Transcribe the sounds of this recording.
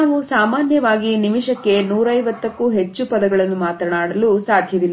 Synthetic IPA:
ʋusaːmaːnjɐʋaːɡinimiʂɐkːe̞nuːɾɐjʋɐt̪ːɐkːuɦe̞t͡ʃːupɐd̪ɐɡɐɭɐnːumaːt̪ɾɐnaːɽɐlusaːd̪ʱjɐd̪ilː

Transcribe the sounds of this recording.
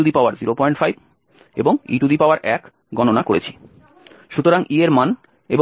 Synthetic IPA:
ud̪ipaoaɾziɾopɔiɳʈfajb | ḛboŋḭʈud̪ipaoaɾʔɛk | ɡɔnonakoɾḛt͡ɕʰi̥ | ʃut̪oɾaŋʔieɾman | eb

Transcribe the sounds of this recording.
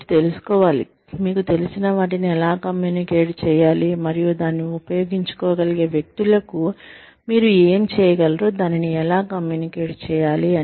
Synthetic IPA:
t̪elusu̥kɔːʋaːlḭ | miːkut̪e̞lisinɐʋaːʈ̬iniɛlaːkɐmjuːnikeːʈt͡ʃɛːjaːlimɐɾijud̪aːnːiupɐjoːɡiɲt͡ʃu̥kɔːɡɐliɡe̞ːʋjek̚t̪ulɐku | miːɾueːmt͡ʃɛːjɐɡɐlɐɾoːd̪aːniniɛlaːkɐmjuːnikeːʈt͡ʃɛːjaːliɐ

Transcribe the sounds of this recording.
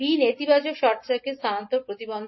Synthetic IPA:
inet̪ibat͡ɕokʃɔɾt͡ɕakest̪ʰant̪opɾot̪ibond̪

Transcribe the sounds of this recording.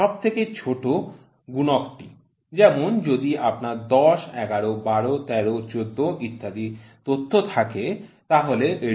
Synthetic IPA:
ɔb̚t̪ʰeket͡ɕʰoʈo | ɡunokʈi | d͡ʑɛmond͡ʑod̪iʔapnaɾd̪ɔʃɛɡaɾobaɾot̪ɛɾot͡ɕod̪ːoʔit̪ʰːad̪it̪ot̪ʰːot̪ʰaket̪aɦoleʔe

